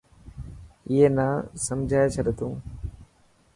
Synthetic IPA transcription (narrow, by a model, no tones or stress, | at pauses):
ɪɦenaːsɐmd͡ʒʱaːjet͡ʃʰɐɗet̪ʰũː